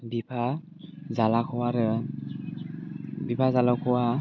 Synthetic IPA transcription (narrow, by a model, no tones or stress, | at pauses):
bipʰa | zalakʰɔwaɾɛ | bipʰazalakʰɔwa